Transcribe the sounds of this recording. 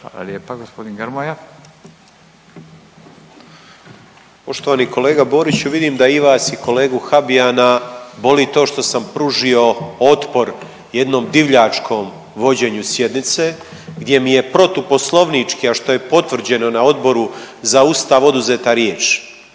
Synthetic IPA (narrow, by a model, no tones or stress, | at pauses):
a̰la̰ljepaɡospod̪inɡəɾmoja | po̞ʃt̪oʋaːniko̞le̞ːɡabo̞ːɾit͡ɕuʋid̪iːmd̪aiʋaːsiko̞le̞ːɡuxabiaːnabo̞lit̪o̞ːʃt̪o̞sampɾuʒio̞o̞t̪po̞ɾ | je̞d̪no̞ːmd̪iʋʎaːt͡ʃkʰo̞ːm | ʋo̞d͡ʑe̞ːɲusje̞d̪nit̪se̞ː | ɡd̪je̞mije̞pɾo̞t̪upo̞slˠo̞ʋnit͡ʃkiaʃt̪o̞je̞po̞t̪ʋr̩d͡ʑe̞no̞nao̞d̪bo̞ɾuzaust̪aʋo̞d̪uzeːt̪aɾjeːt͡ʃ